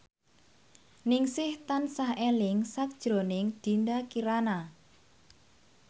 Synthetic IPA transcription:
nɪŋsɪht̪ansahelɪŋsak̚d̥ʒ̥ɾo̤nɪŋd̪̥i̤nd̪akiɾana

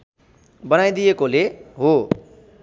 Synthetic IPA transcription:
bʌnajd̪ijekoleɦo

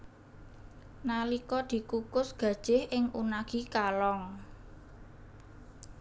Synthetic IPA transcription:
nalikɔd̪̥i̤kukʊsɡ̥ä̤d̥ʒ̥ɪhʔɪŋʔṵnaɡ̥ikalɔŋ

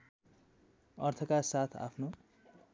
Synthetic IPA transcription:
ʌrt̪ʰʌkasat̪ʰa̰pʰno

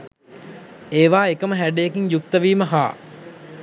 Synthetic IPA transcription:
eːʋaːekəməɦæɖejekiɲjuk̚t̪əʋiːməɦa̰ː

